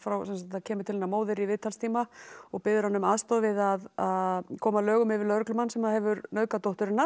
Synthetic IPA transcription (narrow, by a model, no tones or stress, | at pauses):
fɾawsɛnsat̪t̪acʰɛːmʏɾt̪ɪlejnːamoːwðɪɾivɪðt̪ʰalst̪ʰiːmaɔɣpɪðʏɾhanʏmaðst̪ɔːðvɪðaðakʰɔːmalœːɣʏmɪvɪɾlœɾklʏmanːsɛmahɛvʏɾnœːkat̪owht̪ʏɾɪnːa